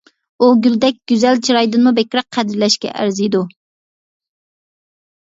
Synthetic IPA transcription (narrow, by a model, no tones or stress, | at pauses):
uɡʲyld̪ɛk̚ʲɡ̥ʲyzælt͡ʃʰiɾɑjd̪ɨnmubekʲɾæq̚ʰːæd̪ɾlɛʃkʲɛ̰ʔæ̰ɾzid̪u